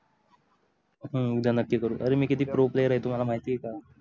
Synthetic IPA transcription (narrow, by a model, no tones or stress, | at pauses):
ɦə̃muɡd̪ʱanəkːjkəɾṵ̃ʔəɾemiːkit̪iːpɾoplejəɾaɦet̪um̤alam̤aɦit̪iːeka